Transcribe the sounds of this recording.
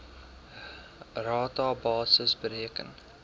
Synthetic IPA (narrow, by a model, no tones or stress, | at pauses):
rɑːtɑːbɑːsəsbəɾiəkə̰n